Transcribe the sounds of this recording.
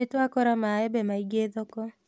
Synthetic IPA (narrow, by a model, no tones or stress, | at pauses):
etwakɔɾamaɛbɛmaiɡeðɔkɔ